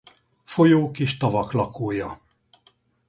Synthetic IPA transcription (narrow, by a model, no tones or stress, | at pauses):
fo̞joːkiʃt̪ɒvɒklɒkoːjɒ